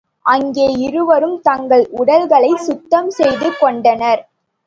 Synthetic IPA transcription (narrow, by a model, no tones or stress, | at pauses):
ʔɐŋɡeːɪɾɯʋɐɾɯmt̪ɐŋɡɐɭʔʊɽɐlɣɐɭɐɪsʊt̪ːɐmsɛjðɯkːɔɳɖɐnɐɾ